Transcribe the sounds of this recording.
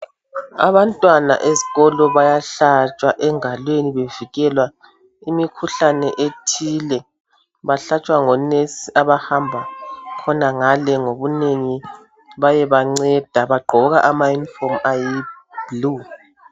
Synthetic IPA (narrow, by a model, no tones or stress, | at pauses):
a̰βantʼwana̰ʔeziɣɔlɔβajaɬat͡ʃʼwaʔɛŋalweniβeviɣɛlwa | imikʰuɬanɛʔetʰilɛ | βaɬat͡ʃʼwaŋɔnesiʔaβahambʱakʰɔnaŋalɛŋoβuneŋi | βajɛβaŋ͡ǀɛd̥ʱaβaɡ͡ǃʱɔɣaʔamajunifɔmaji | blu